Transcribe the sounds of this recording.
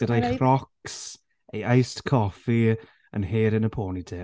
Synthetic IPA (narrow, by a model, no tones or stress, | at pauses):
ədajχrɔks | ejajstkʰɔfi | ə̰nɦeːɾɪnəpʰoːnideː